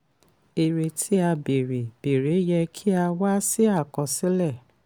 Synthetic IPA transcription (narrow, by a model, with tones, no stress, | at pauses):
e˨ɾe˧tʰi˦a˧be˨ɾe˨b̥e˨ɾe˨˦jɛ˧kʰi˦a˧wa˦si˦a˦˨kɔ̃˨sĩ˨˦lɛ˦˨